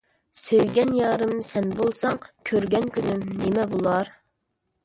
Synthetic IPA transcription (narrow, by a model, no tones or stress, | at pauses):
søjɡʲɛnjɑːɾɨmsɛnbolˠsɑŋkʲʰøɾɡʲɛnkʲynymnemɛbolˠɑɾ